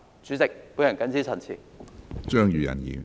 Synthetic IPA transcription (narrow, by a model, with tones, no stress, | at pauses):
t͡syː˨˥t͡sɪ˨k̚pu˨˥jɐ˨˩nkɐ˥nsiː˥t͡sʰɐ˨˩nt͡sʰḭː˨˩t͡ʃœː˥ŋjyː˨jɐ̰˨˩njḭː˨˩